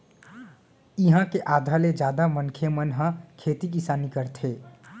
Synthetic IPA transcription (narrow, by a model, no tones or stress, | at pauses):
iɦãkeʔaːd̪ʱaled͡ʒaːd̪amənkʰemənɦə̃kʰeːt̪ik̬isaːnikəɾt̪ʰe